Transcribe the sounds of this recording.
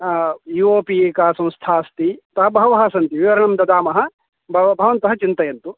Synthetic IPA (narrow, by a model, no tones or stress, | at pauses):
jioːpieːkaːsɐ̃m̃st̪ʰaːst̪it̪ɐɦɐbʱɐɦɐʋɐɦɐsɐnt̪iʋiʋɐɾɐɳɐmd̪ɐd̪aːmɐɦɐ̆ | bʱɐʋɐbʱɐʋɐnt̪ɐɦɐt͡ʃint̪ɐjɐnt̪u